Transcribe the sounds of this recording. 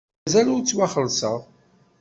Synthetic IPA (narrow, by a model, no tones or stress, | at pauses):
zælʊɾt͡sːwaχəlsə̰ʁ